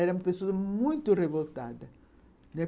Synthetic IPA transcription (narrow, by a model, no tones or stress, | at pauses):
ɛɾɐumɐpesowɐmũj̃t̪ʊrevolt̪a̰d̪ɐ | nɛ